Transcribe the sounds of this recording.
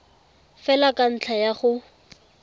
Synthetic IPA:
fɛlakan̩t͡ɬʰajaχʊ

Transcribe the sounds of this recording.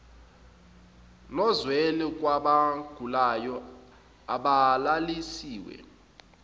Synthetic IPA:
nɔzwɛlɛk̬ʼwaɓaɡ̥ʱulajɔ | aɓalalisiːwɛ̰

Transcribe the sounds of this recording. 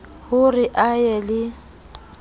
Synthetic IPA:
hʊrɪʔajɛlɪ

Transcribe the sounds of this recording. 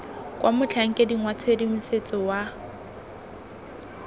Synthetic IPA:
kʼwʔamʊt͡ɬʰaŋ̩kʼediŋwat͡sʰedim̩set͡sʼɔwa

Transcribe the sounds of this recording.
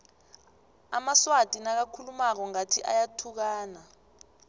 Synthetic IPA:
a̰maswatʼinak̬akʰulumak̬ɔŋatʰiʔa̰jatʰuk̬aːna

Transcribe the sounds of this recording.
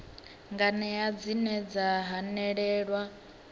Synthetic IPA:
ŋɡanɛjad͡zinɛd͡zaɦanɛɺɛːɺwa

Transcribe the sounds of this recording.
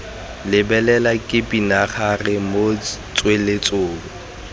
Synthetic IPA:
lɪbɛlɛlakʼɪpʼinaχarɪmot͡sʼwelet͡sʼoʊːbʊ

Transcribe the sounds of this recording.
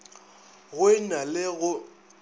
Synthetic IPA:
ɣʊɪnalɪɣʊ

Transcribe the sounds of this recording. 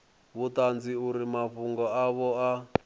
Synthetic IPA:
βutand͡ziuɾimaɸuŋɡɔaβɔa

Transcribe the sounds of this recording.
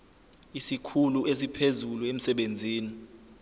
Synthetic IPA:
isikʰulues̬ipʰezuluem̩sɛɓend͡zʱiːni

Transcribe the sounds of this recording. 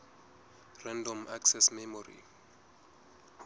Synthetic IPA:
rɛndɔmaksɛsmɛmɔrḭ

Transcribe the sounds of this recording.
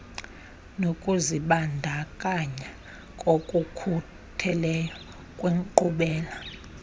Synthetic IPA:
nokʼuziɓandʱakʼaɲa | kʼokʼukʰu | tʰɛlɛjɔ | kʼweŋǃuɓɛːla

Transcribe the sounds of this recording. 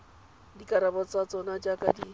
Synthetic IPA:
dikʼaɾabɔt͡sʼat͡sʼɔnad͡ʒakʼadi

